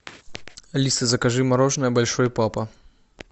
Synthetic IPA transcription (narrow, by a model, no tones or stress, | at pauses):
lʲist̪ɨzɐkɐʐɨmɐɾɔʐnɐjɐbɐlʲʂɔjpapɐ